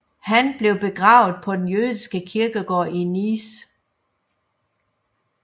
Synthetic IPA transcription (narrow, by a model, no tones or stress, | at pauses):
hænb̥le̝ʊb̥e̝ɡ̥ʁɑ̈ːʊð̩ˠpʰɒ̽d̥enjøːðˠisɡ̥əkʰiɐɡ̥əɡ̥ɒ̰ːinis